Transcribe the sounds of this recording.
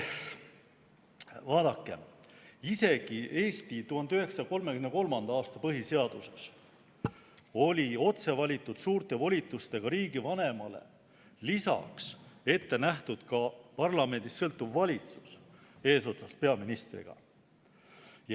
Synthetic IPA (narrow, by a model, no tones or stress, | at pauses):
vɑːd̪̥ɑkːe̞̰ise̞ɡ̥iʔe̞ːst̪it̪uhɑnd̪yɦe̞ksɑko̞lme̞kymneko̞lmɑnd̪ɑɑːst̪ɑpɤɦise̞ɑd̪̥use̞s | o̞lʲio̞t̪se̞vɑlʲit̪ːˑud̪̥suːrt̪e̞vo̞lʲit̪ːˑust̪e̞ɡ̥ɑɾiːɡivɑne̞mɑle̞̰ | lisɑ̰kse̞t̪ːenæht̪ud̪̥kɑpɑrlɑme̞nd̪̥isːɤ̞lt̪ˑːuvːɑlʲit̪su̥se̞ːso̞t̪sɑspe̞ɑminist̪rḭɡ̥ɑ̰